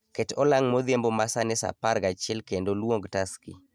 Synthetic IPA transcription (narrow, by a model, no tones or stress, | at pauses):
ketɔlaŋmoðɪembomasanɛsa̰paɾɡat͡ʃɪɛlkendolwoŋɡtaskḭ